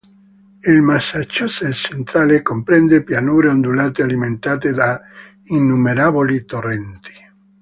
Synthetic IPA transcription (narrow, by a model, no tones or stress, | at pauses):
ilmasːat͡ʃːoselt͡ʃent̪ɾaːlekompɾɛnd̪epjanuːɾeond̪ulaːt̪ealiment̪aːt̪ed̪a | inːumeɾaːbolit̪orɛnt̪i̥